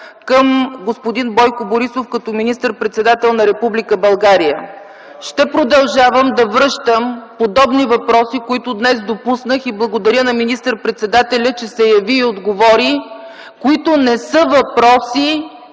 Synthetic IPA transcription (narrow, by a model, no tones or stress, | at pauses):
kəmɡospod̪inbɔjkʊboɾisofkɐt̪ɔminist̪əɾpɾɛt̪sɛd̪at̪ɛlˠnɐɾɛpublikəbɐlˠɡaɾijə | ʃt̪ɛpɾod̪ɐlˠʒavəmd̪ɐvɾɤʃt̪əmpod̪ɔbnivɐpɾɔsikoit̪ʊd̪nɛsd̪opusnəxiblˠəɡod̪ɐɾjənɐminist̪əɾpɾɛt̪sɛd̪at̪ɛlʲət͡ʃɛsɛjɐviːod̪ɡovɔɾi | koit̪ʊnɛsɤvɐpɾɔsi